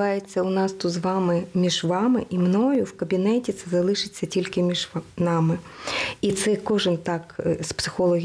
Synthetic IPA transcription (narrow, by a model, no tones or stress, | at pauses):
ɑjet͡sʲːɐʊnɑst̪ud̪zʋɑmɪmʲiʒʋɑmɪʔimnɔjʊwkɐbʲinɛtʲit̪sɛzɐlˠɪʃɪt͡sʲːɐtʲilʲkɪmʲiʒnɑmɪit̪sɛkɔʒɪnt̪ɑkspsɪ̥xɔlˠɔɦʲ